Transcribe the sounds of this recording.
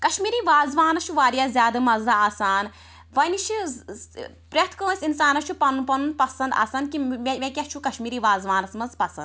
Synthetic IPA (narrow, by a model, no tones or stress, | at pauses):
kɐʃmiːɾiːʋaːzʋaːnɐt͡ʃʰuʋaːɾijaːzʲjaːd̪ɨmɐzaːsaːn | ʋɐnit͡ʃʰi | pɾʲɐt̪ʰkoːsʲinsaːnɐt͡ʃʰupɐnpɐnunpɐsɐ̃nd̪a̰ːsɐnkimemʲekʲɐt͡ʃʰukɐʃmiːɾiːʋaːzʋaːnɐsmɐzpɐsɐnd̪